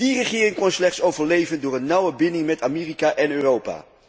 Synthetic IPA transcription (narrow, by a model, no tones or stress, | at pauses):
d̥irəχɪːrɪŋkɔnslɛχtsowvəɹlejvəndʊːɹənːʌwəbɪnɪŋmɛtamɪːrikaːʔɛnøːrowpa̰ː